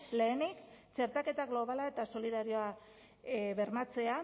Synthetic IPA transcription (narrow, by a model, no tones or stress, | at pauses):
le̞ːnikt͡ʃe̞ɾt̪ake̞t̪aɣlo̞β̞alae̞t̪aso̞liðaɾio̞a | βe̞ɾmat͡se̞a